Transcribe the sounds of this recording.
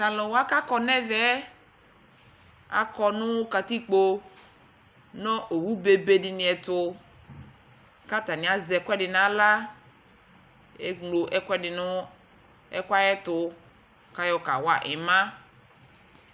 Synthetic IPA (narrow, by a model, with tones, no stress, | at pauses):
t̪ã˨lɔ˨wa˦ka˦kɔ˦nɛ̃˦vɛ˦ | a̰˨kɔ˨nʊ̃˦ka˨t̪i˦k͡po˦ | nɔ̃˦ʔo˨wu˦be˨be˦dɪ˨nĩ˨ɛ˨t̪ʊ˨ | ka˦t̪a˨nɪ̃˨a˨zɛ˨kɛ˦dɪ˨nã˨la˦ | e˦ŋlo˨ʔɛ˦kɛ˦ɪ˨n˦ | ɛ˦ka˦jɛ˦t̪ʊ˨ | ka˦jɔ˦ka̰˨wa˦ʔɪ˨mã˦